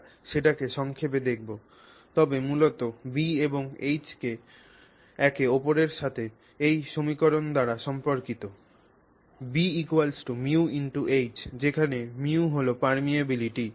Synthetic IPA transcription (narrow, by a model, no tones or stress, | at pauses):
ʃeʈakeʃɔŋkʰep̬ed̪ek̚ʰbo | t̪ɔbemulot̪obieboŋejt͡ɕke | ɛkeɔpoɾeɾʃat̪ʰe | ejʃomikoɾond̪aɾaʃɔmpoɾkit̪o | biikuwalsʈumiuiɳʈuʔejd͡ʑd͡ʑekʰanemiuɦolopaɾmiabiliʈi